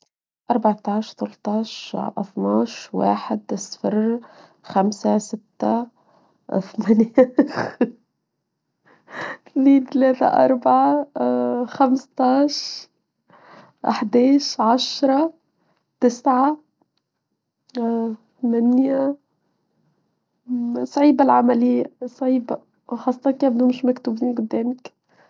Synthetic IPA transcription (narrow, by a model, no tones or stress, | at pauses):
ʔɑɾˤbɑʕt̪ɑʕʃt̪alt̪ˤɑːʃʔɑ̰θˤnɑːʃwa̰ːħɪd̪ʔɪsfɪr | xamsasɪt̪ːa | fmanex | t̪niːnt̪leːt̪a̰ʔɑɾˤbaʕa | xamst̪ɑːʃ | ʔaħd̪ɛːʃʕaʃɾˤɑ | t̪ɪsʕa | θmænja | sˤʕiːbalʕamælɪjːasˤʕiːba | wxɑsˤːɑt̪ˤɑkːabd̪umʊʃmækt̪ubiːnɡʊd̪ːɛːmək